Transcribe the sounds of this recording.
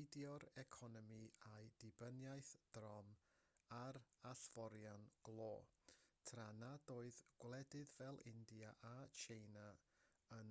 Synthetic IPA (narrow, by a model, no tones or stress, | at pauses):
ɪdjɔɾɛkʰɔnɔmiajdɪbənjajθd̥rɔm | aɾaɬvɔɾjanɡ̥lˠoːtʰranadoːɨðɡ̥wlˠɛdɨðvɛlˠʔɪndijaʔat͡ʃʰejna | ən